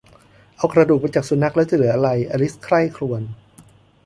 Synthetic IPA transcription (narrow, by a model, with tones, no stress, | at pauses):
ʔa˧wkɾa˧duː˨˩k̚maː˧nt͡ɕaː˨˩k̚su˨˩˦na˦˥k̚lɛ˦˥wt͡ɕa˧lɯ˨˩˦ɐ˦ʔa˧ɾa˧jʔa˧li˦˥skʰɾa˥˩jkʰɾu˧ən